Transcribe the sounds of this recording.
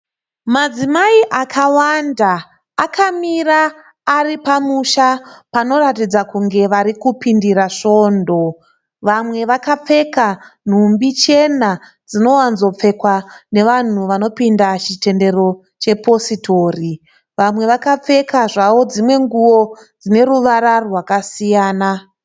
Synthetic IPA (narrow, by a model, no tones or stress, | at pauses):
mad͡zimaiʔakʰawandaː | kamiraː | ripamuʃapano̞ɾatid͡zakuŋɡe̞ʋaɾikupindiɾaʂo̞ːndo̞ | ʋamwe̞ʋakap͡fe̞kan̤umbit͡ʃe̞na | d͡zino̞wanzo̞p͡fe̞kwane̞ʋan̤uʋano̞pindat͡ʃite̞nde̞ro̞ | t͡ʃe̞po̞sitʰo̞ːri | ʋamwe̞ʋakap͡fe̞kaʐaʋo̞d͡zimwe̞ŋɡuwo̞d͡zine̞ruʋaɾarwakasijaːna